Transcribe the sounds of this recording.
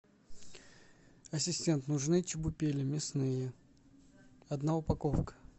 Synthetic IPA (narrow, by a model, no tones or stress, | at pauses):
ɐsʲɪsʲtʲe̞nt̪nʊʐnɨt͡ɕɪbʊpʲelʲɪmʲɪsnɨjə | ɐd̪naʊpɐkofkə̥